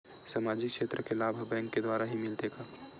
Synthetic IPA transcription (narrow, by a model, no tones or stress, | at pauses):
samaːd͡ʒɪkʃeːt̪ɾəkelaːbʱbɛ̃ːŋkːed̪waːɾaɦimɪlt̪eːɡaː